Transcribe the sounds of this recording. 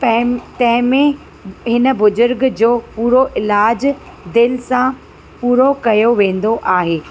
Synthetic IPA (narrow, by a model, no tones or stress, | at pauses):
ɐɦt̪ɐ̃ɦɪ̃mẽ | ɦɪnə̆bʊzʊɾɡd͡ʑoːpuːɾoʔɪlaːd͡ʑ | d̪ɪlɪsã | puːɾokɐjoʋẽːn̆d̪oʔaːɦeː